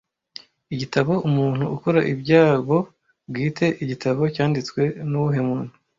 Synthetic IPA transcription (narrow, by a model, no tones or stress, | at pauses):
iɟitaβo̞ʔumuːn̥huukoɾaʔibɟaːɡo̞ | bɡiːtʰe̞ʔiɟitʰaβo̞caːndit͡swe̞nuwuɦe̞muːn̥u